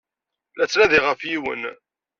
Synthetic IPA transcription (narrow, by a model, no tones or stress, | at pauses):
læt͡sːnæðiʁəfjiwə̰n